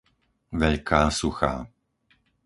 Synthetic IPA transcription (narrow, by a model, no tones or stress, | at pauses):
ʋɛʎkʰaːsuxa̰ː